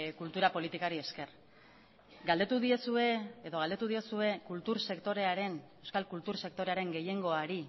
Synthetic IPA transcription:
kult̪uɾapo̞lit̪ikaɾie̞ske̞r | ɡald̪e̞t̪uðiesue̞eðo̞ɣ̞ald̪e̞t̪uðio̞sue̞kult̪uɾse̞kt̪o̞ɾe̞aɾe̞ne̞wskalkult̪uɾse̞k̚t̪o̞ɾe̞aɾe̞ŋɡe̞je̞ŋɡo̞aɾi

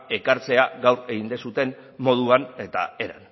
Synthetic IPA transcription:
e̞kaɾt͡se̞aɡawre̞ɣind̪esut̪e̞n | mo̞ð̞uanet̪a̰e̞ɾa̰n

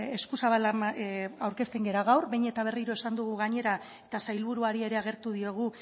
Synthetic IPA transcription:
e̞skusaβalaawɾke̞st̪e̞ŋɡe̞ɾaɣ̞awrbejɲe̞t̪aβ̞e̞riɾo̞e̞sand̪uɣ̞uɣaɲe̞ɾa | e̞t̪asajlβuɾuaɾie̞ɾeaɣe̞ɾt̪uð̞io̞ɣ̞u

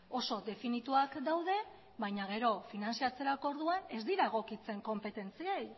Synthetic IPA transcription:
oso̞d̪e̞finit̪uakd̪awðe̞ | βajɲaɣ̞e̞ɾo̞finansiat͡se̞ɾakoɾðuane̞zd̪iɾaeɣ̞o̞kit͡se̞ŋko̞mpe̞t̪e̞nt͡siej

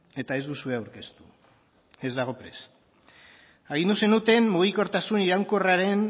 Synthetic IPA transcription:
e̞t̪ae̞zd̪usueawɾke̞st̪u̥ | e̞zd̪aɣ̞o̞pɾe̞s | aɣ̞ind̪use̞nut̪e̞mmuɣiko̞ɾt̪asuniɾawŋko̞raɾe̞n

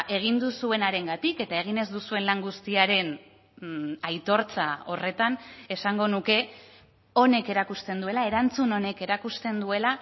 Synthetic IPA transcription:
ʔe̞ɣ̞ind̪usue̞naɾe̞ŋɡat̪ike̞t̪ae̞ɣ̞ine̞zd̪usue̞nlaŋɡust̪iaɾe̞n | ajt̪o̞ɾt͡sao̞re̞t̪ane̞saŋɡo̞nuke̞ | o̞ne̞ke̞ɾakust̪e̞nd̪ue̞lae̞ɾant͡suno̞ne̞ke̞ɾakust̪e̞nd̪ue̞la

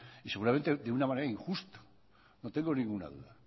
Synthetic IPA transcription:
ise̞ɣuɾament̪eðeunamãneɾaiŋxust̪ḁ | not̪e̞ŋɡo̞nĩŋɡuna̰ðuða

